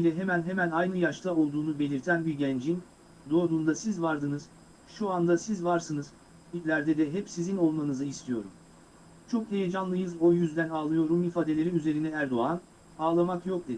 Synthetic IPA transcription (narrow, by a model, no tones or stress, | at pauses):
ilʲɛɦe̞mænɦe̞mænajnɯjaʃt̪ʰao̞lˠd̪uːnube̞lʲiɾt̪ʰænbiɟænd͡ʒin | d̪o̞ad̪uːnd̪asizvaɾd̪ɯnɯz̥ | ʃuand̪asizvaɾsɯnɯz̥ | bid̪lʲæɾd̪ɛd̪ɛɦɛpsizino̞lˠmanɯzɯist̪ʰijo̞̰ɾum | t͡ʃʰo̞k̚d̪ejed͡ʒanlˠɯjɯzo̞jyzd̪ænaːlˠɯjo̞ɾumifaːd̪elʲe̞ɾiyze̞ɾinɛæɾd̪o̞an | aːlˠamakjo̞k̚d̪e̞